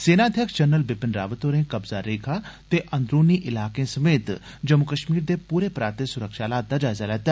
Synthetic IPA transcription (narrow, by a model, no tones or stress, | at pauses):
seːnaəd̪ʱjəksd͡ʒənəlbɪpɪnɾa̰ːʋət̪oːɾẽkɐbzaɾeːkʰat̪eʔɐ̃nd̪ɾoːniʔɪlaːkẽsɐmeːt̪ | d͡ʒɐmːukəʃmiːɾd̪epuːɾepɾaːɾt̪esʊɾəkʃaːlaːt̪̚d̪ad͡ʒaːɪzalɛːt̪a